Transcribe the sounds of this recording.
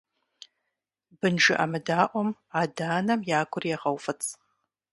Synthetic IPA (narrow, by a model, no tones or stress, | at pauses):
bɨnʒɪʔamɨdaːʔʷɔmadaːnɐmjaːkʷʰʊrjɛʁɐwfɨt͡sʰʼ